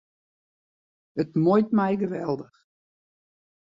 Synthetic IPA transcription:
ətmojtmɛjɡəʋɛlˠdəx

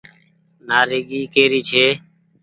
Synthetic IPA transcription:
naːɾeːɠiːkeːɾiːt͡ʃʰeː

